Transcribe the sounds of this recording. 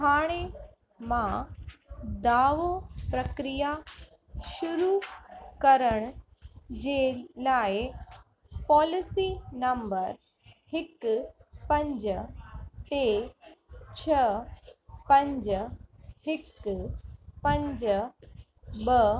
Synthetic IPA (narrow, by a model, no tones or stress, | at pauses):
ɦaːɽ̃e | mã | d̪aːʋopɾɐkɾija | ʃʊɾukɐɾəɽ̃ʊ | d͡ʑeːlaːɪ | pɔːlɪsinɐmbəɾ | hɪkpɐ̃ɲd͡ʑəʈe | t͡ɕʰɐ | pɐ̃ɲd͡ʑ | hɪk | pɐ̃ɲd͡ʑə | bɐ